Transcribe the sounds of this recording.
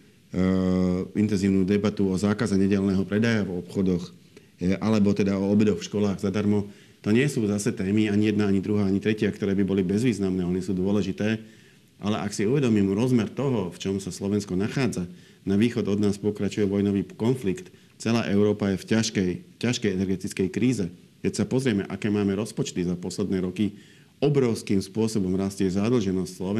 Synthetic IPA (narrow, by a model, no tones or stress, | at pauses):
int̪ɛnziːʊnuːd̪ɛbat̪uɔzaːkazɛɲɛɟɛlnɛːɦɔpɾɛd̪ajavɔpxɔd̪ɔx | ʔalɛbɔt̪ɛd̪aɔːbɛd̪ɔxfʃkɔlaːɣzad̪aɾmɔ | t̪ɔɲɪɛsuːzasɛt̪ɛːmiaɲijɛd̪̚naaɲid̪ɾuɦaːaɲit̪ɾɛcɪakt̪ɔɾɛːbibɔlibɛzʋiːznamnɛːɔnisuːd̪ʊɔlɛʒit̪ɛː | ʔa̰lɛʔaksiuʋɛd̪ɔmiːmɾɔzmɛɾt̪ɔɦɔft͡ʃɔmsaslɔʋɛnskɔnaxaːd͡za | naʋiːxɔd̪ɔd̪naːspɔkɾat͡ʃujɛʋɔjnɔʋiːkɔnflikt̪ | t͡sɛla̰ːʔɛʊɾɔːpajɛfcaʃkɛjfcaʃkɛjɛnɛɾɡɛt̪it͡skɛjkɾiːzɛ | kɛcsapɔzɾɪɛmɛ̰ʔakɛːmaːmɛɾɔspɔt͡ʃt̪izapɔslɛd̪nɛːɾɔki | ɔbɾɔʊskiːmspʊɔsɔbɔmɾascɛzad̪l̩ʒɛnɔscslɔɛ